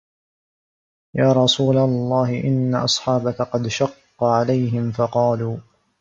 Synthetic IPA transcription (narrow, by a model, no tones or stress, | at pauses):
jaːɾˤɑsuːlalˤːɑːɦɪʔɪnːaʔɑsˤħɑːbakaqɑd̪ʃɑqːɑʕalajɦɪmfɑqɑːluː